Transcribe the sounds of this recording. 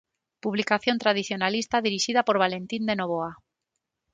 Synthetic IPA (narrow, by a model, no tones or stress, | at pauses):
puβlikaθjont̪ɾað̞iθjonalist̪aðiɾiʃiðapoɾβ̞alent̪ind̪enoβ̞oa